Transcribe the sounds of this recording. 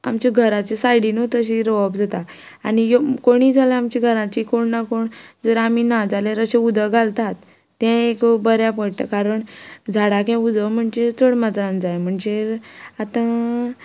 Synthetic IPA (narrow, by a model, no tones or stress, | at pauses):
a̰mt͡ɕiɡʱəɾat͡ɕesajɽint̪əɕiɾoabd͡zat̪a | aɽ̃ijokoɽ̃iːd͡zʱalẽamt͡ɕiɡʱəɾãt͡ɕikoɽnakoɳd͡zəɾaminad͡zaleɾəɕẽud̪ʱəɡʱalt̪at̪ː | ɛ̃ekbəɾjapəɽʈ̪a̰kaɾəɳd͡zʱaɽakɛ̃ud̪ʱəm̤əɳd͡zet͡səɽmat̪ɾãnd͡zajm̤əɳd͡zeat̪ã